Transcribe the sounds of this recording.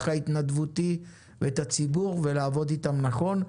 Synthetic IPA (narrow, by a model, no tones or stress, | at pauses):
χait̪nad̪vut̪i | veet̪at͡sibuʁve̞laːvod̪it̪amnaχo̞n